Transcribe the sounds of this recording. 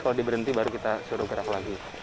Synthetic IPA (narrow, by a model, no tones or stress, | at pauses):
kaladibəɾənt̪ibaɾukit̪asuɾʊɡəɾaklaɡi